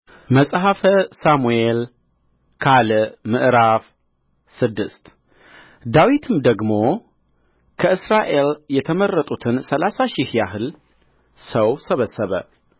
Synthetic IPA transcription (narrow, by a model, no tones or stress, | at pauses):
məsʼɦafəsamuel | kʰalmɨʔɾaf | sɨd̪ːɨst̪ | d̪awit̪ʰɨmd̪əɡmo̞ | kʰəʔɨsɾaʔe̞ljɛt̪ʰəmərːət̪ʼut̪ʰɨnsəlasaʃɪhjaɦɨl | səwsəβəsːəβə̰